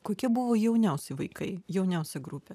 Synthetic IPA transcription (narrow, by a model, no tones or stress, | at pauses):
koːkʲiɛbʊʋoːjɛʊnʲɛʊsʲɛɪʋɐɪkɐɪjɛʊnʲɛʊsʲɛɡɾupʲɛ